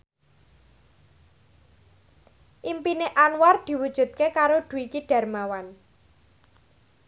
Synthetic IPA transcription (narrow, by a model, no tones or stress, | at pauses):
ʔimpineʔanward̪̥i̤wud̥ʒ̥ṳt̪̚kekaɾoɖ̥ṳikiɖ̥a̤rmawan